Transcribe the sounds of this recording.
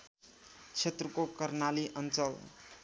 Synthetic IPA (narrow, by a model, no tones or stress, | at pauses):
t͡sʰet̪rʌkokʌrnaliʔʌnt͡sʌl